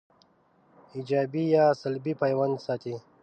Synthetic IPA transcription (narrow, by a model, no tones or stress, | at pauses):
id͡ʒaːbijaːsəlbipaːjwand̪saːt̪i